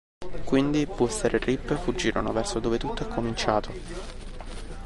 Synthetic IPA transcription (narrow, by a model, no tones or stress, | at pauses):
kwind̪ipuɛseɾeripːefud͡ʒːiːɾʔonovɛrsod̪oːvet̪ut̪ːoɛkʰːomint͡ʃaːt̪ʰo